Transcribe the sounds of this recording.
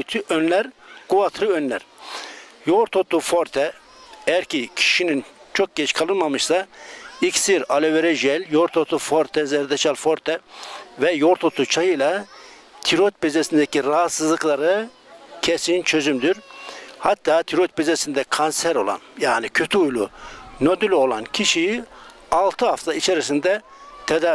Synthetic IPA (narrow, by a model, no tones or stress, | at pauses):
t̪ʰyʔønlʲæɾɡ̥uvat̪ʰɾɯønlʲæ̰ɾ̥ | joɾt̪ʰot̪ːufo̞ɾt̪ʰɛ | ɛjæɾcicʰi̥ʃinint͡ʃʰo̞k̚ɟɛt͡ʃkʰalˠɯnmamɯʃsaiksiɾaleveɾɛʒɛlʲjoɾt̪ʰot̪ufoɾt̪ʰɛzɛɾd̪ɛt͡ʃalfo̞ɾt̪ʰɛvɛjo̞ɾt̪ʰot̪ʰːut͡ʃʰajɯlˠa | t̪ʰiɾot̪̚bizesind̪ɛciɾaɦat̪sɯzlˠɯklˠaɾɯ | cʰesint͡ʃʰø̞zymd̪yɾhat̪ːaːt̪ʰiɾot̪̚bizesind̪ɛkʰansæɾo̞̰lˠa̰njaːnicʰø̞t̪ʰyujlˠṵnod̪ylʲo̞lˠancʰiʃij | alˠt̪ʰɯɦaft̪ʰait͡ʃʰeɾisind̪ɛ | t̪ʰɛd̪a